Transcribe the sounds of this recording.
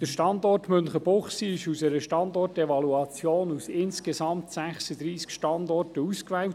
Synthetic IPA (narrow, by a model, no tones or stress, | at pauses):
d̥əɾʃtɑndɔrtmʏnχəbʊχsiɪʃusɛɾəʃtɑndɔrtɛvɑluɑt͡sjoːnusɪnskesɑmtsæχsəd̪ɾiːskʃtɑndɔrtəuskʋɛwt